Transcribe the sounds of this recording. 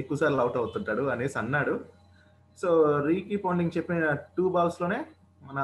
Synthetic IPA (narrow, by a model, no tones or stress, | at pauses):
ekːuʋɐsaːɾilɐwʈɐwut̪uɳʈaːɽuɐneːsɐnːaːɽu | soːɾiːkiːpɐwɳɖiŋɡt͡ʃepːiɐʈuːbaːlslo̞ːne̞ː | mɐnɐ